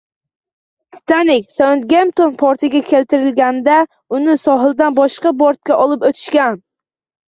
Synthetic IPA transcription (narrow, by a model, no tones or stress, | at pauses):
sɪ̥t̪anɪkʲsaʊnt̪̚ɡʲemt̪ʰonpʰɒɾt̪ʰɪɡʲakʲʰe̞lt̪ʰɪɾɪlɡʲand̪a | ʊnɪsɒɦɪlˠd̪anbɒʃqɑboɾt̪̚kʲaʔɒlˠɪpɵt̪ʰɪ̥ʃkʲan